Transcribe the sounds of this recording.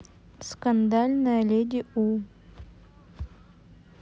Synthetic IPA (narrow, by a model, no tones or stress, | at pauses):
skand̪alʲnalʲed̪ʲiu